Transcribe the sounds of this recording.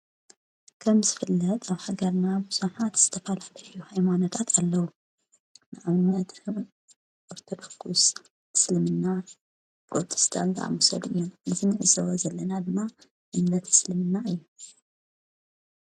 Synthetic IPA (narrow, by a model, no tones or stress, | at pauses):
kʰɐmzɨfɨlːɐt̪ʼaβħaɡɐɾnabɨsuħat̪z̥ɨt̪ʰɐfalalɐjuhajmanot̪ʰat̪ʰalːɐwu | nɨʕaβɨnːɐt̪ɨ | ʔoɾt̪ʰod̪ɐkʰːus | ɨ̥slɨmɨnːa | bɾot̪ʰʼi̥st̪ʰa̰nza̰ʔa̰mosɐ̰d̪ʔɨjːunɨzinɨʕɨ̰zɐwozɐlːɐnad̪ɨmːa | ʔɨmnɐt̪ʰɨ̥slɨmɨnːaɨjːu